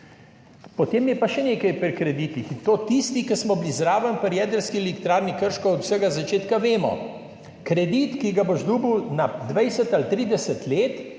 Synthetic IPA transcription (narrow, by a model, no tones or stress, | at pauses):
pɔt̪eːmjɛpaʃɛneːkɐjpɾikɾɛd̪iːt̪ixt̪ot̪ist̪ikəsmɔblizɾaːʋənpəɾjɛːd̪əɾskiɛlikt̪ɾaːɾnikəɾʃkɔɔd̪wsɛɡazat͡ʃeːt̪kaʋeːmɔ̰ | kɾɛd̪it̪kiɡaboʒd̪uːbəwnad̪ʋɛjsət̪alt̪ɾiːd̪ɛsət̪leːt̪